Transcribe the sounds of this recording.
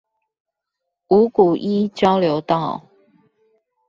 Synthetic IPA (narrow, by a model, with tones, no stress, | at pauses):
u˨˦ku˨˩ʔi˦t͡ɕjɑ˦ʊljo˧˦ʊt̪ɑ˥˨ʊ